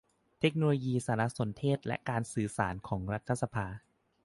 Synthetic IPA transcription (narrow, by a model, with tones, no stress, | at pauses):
t̪ʰe˦˥k̚noː˧loː˧jiː˧saː˩˦ɾa˦˧ʔso˩˦nt̪ʰeː˥˩t̪̚lɛ̰˦˥ʔkaː˧nsɯː˨˩saː˩˦nkʰɔː˩˦ŋɾa˦˥t̪ʰːa˧˩sa˧pʰaː˧